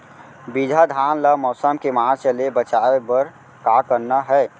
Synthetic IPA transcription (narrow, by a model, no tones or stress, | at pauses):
bid͡ʒʱad̪ʱaːnlamɔːsəmkemaːt͡ʃəlebət͡ʃaːebəɾ | kaːkəɾnaɦɛː